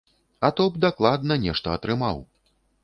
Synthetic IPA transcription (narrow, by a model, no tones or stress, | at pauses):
ɐt̪ɔbd̪aklˠad̪̚nɐnʲɛʂt̪ɐːt̪ɾɨmaw